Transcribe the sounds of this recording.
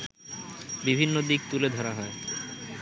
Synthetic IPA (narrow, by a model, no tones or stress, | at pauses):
bibʱinːod̪ik̚t̪uled̪ʱɔɾaɦɔe